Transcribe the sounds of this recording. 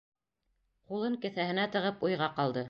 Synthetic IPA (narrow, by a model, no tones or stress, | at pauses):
qulˠɤŋkɘ̆θæhɘ̆næt̪ɤ̆ʁɤpujʁɑqɑlˠd̪ɤ